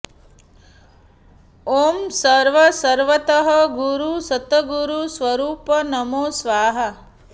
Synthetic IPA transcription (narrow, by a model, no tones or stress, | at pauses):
oːmsɐɾʋəsɐɾʋɐt̪ɐɦɐɡuɾusɐt̪ːəɡuɾusʋɐɾuːpɐnɐmoːsʋaːɦɐ